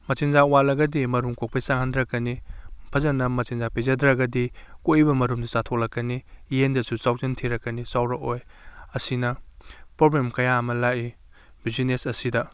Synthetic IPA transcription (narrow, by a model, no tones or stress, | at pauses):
mɐt͡ʃinzawalɐɡɐdimɐɾumkok̚pɐjsaŋhandɾɐkːɐnipʰɐzɐnɐmɐt͡ʃinzapezɐdɾɐɡɐdikoibɐmɐɾumdɐsatʰok̚lɐkːɐnijendɐsusaw̚zɐntʰiɾɐkːɐnisawɾɐkojɐsinɐpɾoblemkɐjaɐmɐlaʔi | bizinesɐsidɐ